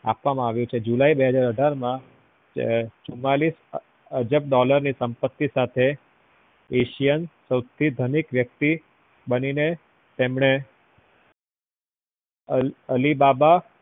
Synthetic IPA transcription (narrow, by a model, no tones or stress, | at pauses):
a̰pʋamãaʋjũt͡ʃʰed͡ʒulaibeɦəd͡ʒaɾəɖʱaɾmã | t͡ʃumːalis | əd͡ʒəp̚ɖɔləɾnisəmpət̪ːisat̪ʰe | eʃijənsəwt̪ʰid̪ʱənikʋjək̚t̪i | bənine | t̪emɳe | əlibaba